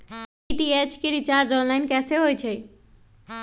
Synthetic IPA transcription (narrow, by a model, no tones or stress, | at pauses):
iʈiet͡ʃʰkiɾit͡ʃaɾd͡ʒɔnlajnkɛseɦojt͡ʃʰɛ